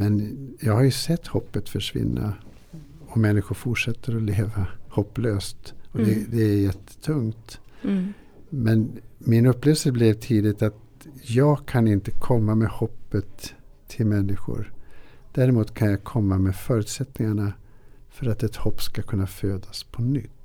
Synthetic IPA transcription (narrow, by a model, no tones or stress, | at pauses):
mɛnjɑːɡhaɾjɵsɛt̪ːhɔpːət̪fœʂvɪ̰nːʔa̰ | ɔmɛnːɪɧʊɾfʊʈʂɛt̪ʰːəɾɔleːvahɔpːløːst̪ɔd̪ɛd̪ɛæjɛt̪ʰːə̥t̪ʰɵŋt̪ | mɛnmɪnɵpːleːvəlsəblɛvt̪ʰiːd̪ɪt̪at̪ | jɑːɡkʰanɪnt̪əkʰɔmːamɛhɔpːət̪ʰː | ɪlmɛnːɪɧʊ̰ɾd̪̥æːɾɪmuːt̪kʰanjɑːkʰɔmːamɛfœːɾʉːt̪sɛt̪nɪŋaɳa | fœɾat̪ɛt̪hɔpːskakʰɵnːaføːd̪aspʰɔnʏt̪ː